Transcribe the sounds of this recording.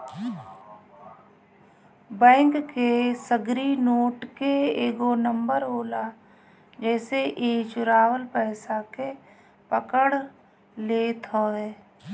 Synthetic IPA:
bɛ̃ːŋkːesəɡɾinoːʈkeeːɡonə̃mbəɾoːla | d͡ʒɛːseʔeːt͡ʃʊɾaːwəlpɛːsake | pəkəɽ | leːt̪ʰoːeː

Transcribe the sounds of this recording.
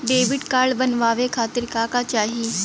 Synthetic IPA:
ɖeʋiʈkaːɭbənʋaːʋekʰaːt̪iɾkaːkat͡ʃaːɦiː

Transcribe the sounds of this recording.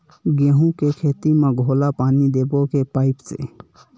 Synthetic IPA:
ɡẽɦũkekʰeːt̪imẽɡʱoːlapaːnid̪eːbokepaːɪpsḛ

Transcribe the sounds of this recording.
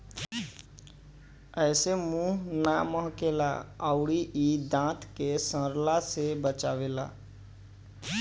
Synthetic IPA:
əɪsemũːɦnaməɦkela̰əʊɽiʔid̪ãːt̪ʰkesə̃ɾlasebət͡ʃawela̰

